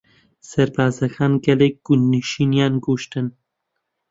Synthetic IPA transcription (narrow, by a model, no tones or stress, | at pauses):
sɐɾbaːzɐxaːnɡɛlek̚ɡ̥unːiʃiːnjɑːnɡuʃt̪ɨn